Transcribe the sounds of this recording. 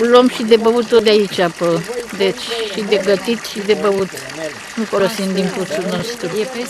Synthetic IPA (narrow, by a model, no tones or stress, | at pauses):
lomʃid̪ebəut̪od̪eait͡ʃapəd̪et͡ʃʲʃid̪eɡət̪it̪ʃid̪e̞bəut̪ | nufolosind̪iŋput̪suno̞st̪ɾu